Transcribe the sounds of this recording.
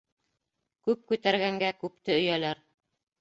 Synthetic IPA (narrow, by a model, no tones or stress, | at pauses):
kʉp̚kʉt̪æɾɣæŋɡækʉpt̪ɘɵ̆jælæɾ